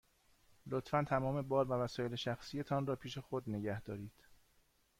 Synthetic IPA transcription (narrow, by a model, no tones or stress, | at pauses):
lot̪fænt̪ʰæmɒːme̞bɒːɾvævæsɒːje̞le̞ʃæxsije̞t̪ʰɒnrɒːpʰiːʃe̞xod̪neɟæhd̪̥ɒːɾiːd̪̥